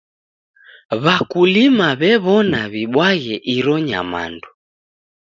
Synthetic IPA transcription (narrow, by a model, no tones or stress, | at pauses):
βakulimaβɛβɔnaβiɓwaɣɛʔiɾɔɲa̰ma̰ndu